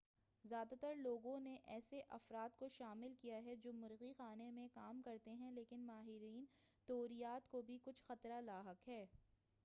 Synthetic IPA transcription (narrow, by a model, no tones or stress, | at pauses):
zjaːd̪at̪ɐɾloːɡõneʔɛːseʔɐfɾaːt̪̚koʃaːmɪlkijaɦɛd͡ʒoːmʊɾɣixaːnemẽkaːmkɐɾt̪eɦɛ̃leːkɪnmaːɦɪɾiːnt̪oːɾijaːt̪kobʱikʊt͡ʃʰxɐt̪ɾalaːɦəkɦɛː